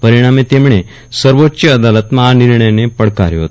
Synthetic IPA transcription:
pəɾiɽ̃amet̪emɳe | səɾʋotːɕəəd̪alət̪məɦaniɾɳəjnepəɽkaɾjiɦo̰t̪

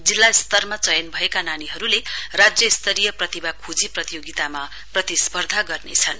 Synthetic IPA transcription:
d͡zilːaist̪ʌrmat͡sʌjʌnbʱʌekananiɦʌɾulerad͡zjʌist̪ʌɾijʌprʌt̪ibakʰud͡ziprʌt̪ijoɡit̪ama | prʌt̪ispʌrd̪ʱaɡʌrnḛt͡sʰʌn

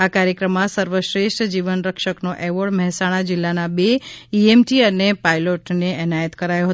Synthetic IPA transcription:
akaɾjəkɾəmːãsəɾʋəʃɾeʃʈʰd͡ʒiʋənɾəkʃəknoʔɛʋəɽmɛɦɛsaɽ̃ad͡ʒɪlːanabeiemʈiənepailoʈneɛnajət̪kəɾajoɦət

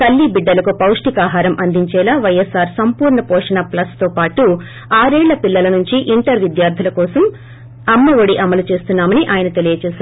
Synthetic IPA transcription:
t̪ɐlːibiɖːɐlɐkupɐwʂʈikaːɦaːɾɐmʔɐnd̪iɲt͡ʃɛːlaːʋɐjesːaːɾsɐmpuːɾɳɐpɔːʂɐnaːplɐst̪oːpaːʈu | aːɾɛːɭːɐpilːɐlɐnuɲt͡ʃiʔiɳʈɐɾʋid̪jaːɾd̪ʱilɐkɔːsɐm | ɐmːɐʋoɽiʔɐmɐlut͡ʃe̞ːst̪unːaːmɐniʔaːjɐnɐt̪e̞lijɐt͡ʃɛːʃaːɾ

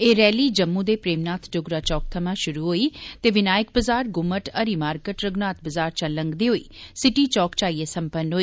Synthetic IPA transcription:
eːɾɛːliːd͡ʒəmːũːd̪eːpɾeːmnaːt̪ʰɖʊɡɾaːt͡ʃɔːk̚t̪ʰəmãːʃʊɾuːɦoːiːt̪eːʋɪnaːjɪk̚bəzaːɾɡʊmːəʈəɾiːmaːɾkəʈɾəɡnaːt̪̚bəzaːɾt͡ʃələŋɡd̪eːɦoːḭːsɪʈiːt͡ʃɔːkt͡ʃaːiːeːsəmpənɦoːiː

